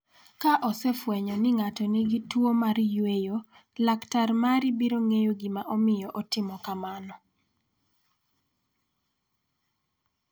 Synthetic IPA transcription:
kaʔɔsɛfwɛɲɔnɪŋatɔniɡitwomaɾjwejo | laktarmaɾibiɾoŋejoɡimaʔɔmɪjɔʔɔtɪmɔkamanɔ

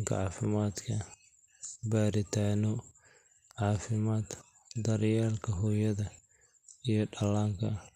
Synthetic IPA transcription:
ŋkʰɐ̰ʕɑːfɪmaːd̪kʰɐ | baːɾɪt̪ʰaːnɔ | ʕɑːfɪmaːd̪ | d̪ɐɾjaːlkʰɐɦɔːjɐðɐ | ijɔɖɐlaːŋkʰɐ

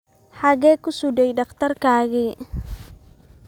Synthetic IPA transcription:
ħɑɣɛːkʰʊsudɛjɖɑχt̪ʰɐrkaːɣi

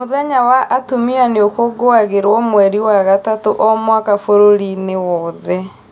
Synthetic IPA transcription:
moðɛɲawaʔatomianeokoɡoaɣeɾwɔmwɛɾiwaɣatatoʔɔmwakafoɾoɾinewɔðɛ

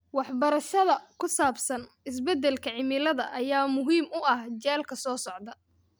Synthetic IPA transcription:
wɑħbɐɾɐʃɐðɐkʰʊsaːbsɐn | ɪs̬bɛd̪ɛlkʰɐʕɪmɪlɐðɐʔɐjaːmʊɦiːmʊɐhd͡ʒɛːlkʰɐsɔːsɔʕd̪ɐ

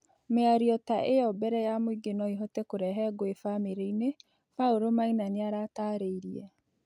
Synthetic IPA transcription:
meaɾiɔtaʔeɔbɛɾɛjamoiɡenɔiɦɔtɛkoɾɛɦɛɡoefameɾeine | faoɾomainaneaɾataːɾeiɾiɛ

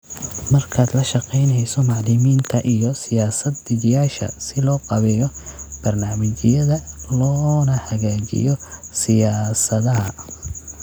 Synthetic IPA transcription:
mɐrkʰaːd̪lɐʃɑqɛjnɛjsɔmɑʕlɪmiːnt̪ʰɐʔijɔsɪjaːsɐd̪ɪd͡ʒjaːʃɐ̰sɪlɔːqɑβɛjɔb̥ɐrnaːmɐt͡ʃɪjɐðɐlɔːnɐhɐɣaːt͡ʃɪ̰jɔsɪjaːsɐðɐɦɐ

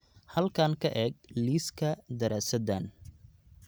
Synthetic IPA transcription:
hɐlkʰaːŋkʰɐʔɛːɡ̚liːskʰɐd̪ɐɾaːsɐd̪aːn

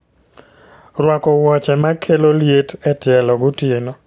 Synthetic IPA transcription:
ɾwakɔwɔt͡ʃɛmakʰeloljetɛtɪɛlɔɡʊtjenɔ

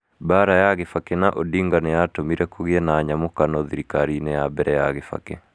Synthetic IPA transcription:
baɾajaɣefakenaʔodiːŋɡanɛjatomiɾɛkoɣjɛnaɲamokanɔðiɾikaɾinɛjabɛɾʔɛjaɣefa̰kḛ

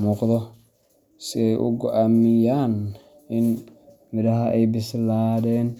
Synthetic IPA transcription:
muːqðɔ | sɪɛjʔʊ̰ɡɔʔaːmɪjaːn | ɪn | mɪðɐɦɐʔɛjbɪslaːðɛːn

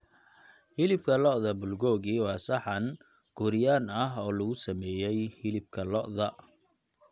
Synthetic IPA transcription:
hɪlɪb̚kʰɐlɔʔðɐbʊlɡɔːɣiːwɑːsɐħɑn | ɡ̥ʊɾɪjaːnɐɦɔːlɐɣʊsɐmɛːjɛjhɪlɪb̚kʰɐlɔʔðɐ

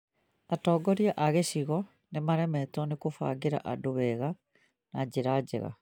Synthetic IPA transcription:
atɔːɡɔɾiaʔaɣeʃiɣɔ | nemaɾɛmɛtɔnekofa̰ːɡeɾa̰ʔadoβɛɣa | nad͡ʑeɾad͡ʑɛ̰ɣa̰

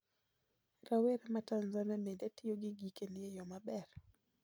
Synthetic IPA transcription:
raweɾamatanzanamedatɪjoɡɪɡikenɪjejɔmabɛr

